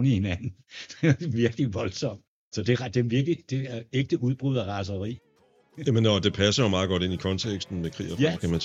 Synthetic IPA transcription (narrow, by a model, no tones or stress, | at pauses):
nihe̝næn̰n̩̥ed̥eʋiɐɡ̥liʋɒ̽lsɒ̽m̰d̥ | sɒ̽d̥e̝ʁd̥emʋiɐɡ̥lid̥e̝æeɡ̥̚d̥əʔuð̞ˠb̥ʁuð̞̰ˠɐʁɑ̈s̬ɐʁḭː | jæmenɒd̥e̝pʰæsɐɒmɑ̈ːɡ̥ɒ̽d̥e̝nikʰɒ̽nt͡sʰeɡ̥sd̥n̩mekʰʁḭːɐfakʰæmæn